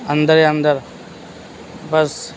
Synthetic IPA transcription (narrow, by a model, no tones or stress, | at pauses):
ɐnd̪əɾjaɐnd̪əɾ | bɐs